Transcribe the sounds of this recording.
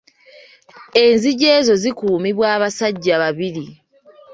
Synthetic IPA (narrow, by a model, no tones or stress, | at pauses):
e̞nziɟeːzo̞zikuːmiβwaːβasaɟːaβaβiɾi